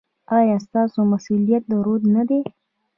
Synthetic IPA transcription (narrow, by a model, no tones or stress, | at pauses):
ɑjɑst̪ɑsomasulijat̪̚d̪əɾod̪nad̪e